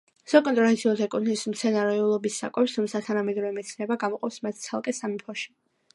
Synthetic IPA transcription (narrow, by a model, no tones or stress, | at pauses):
sakʼɔnt̪ʼɾɔvɛt̪sʰiɔt̪ʰɛkʼut̪ʰnismt̪sʰɛnaɾɛulˠɔbisːa̰kʼɛpst̪ʰumt̪sʰat̪ʰanamɛd̪ɾɔvɛmɛt̪sʰnɛbaɡamɔqʼɔpsmat̪̚ʰt̪sʰalˠkʼɛsamipʰɔʃi̥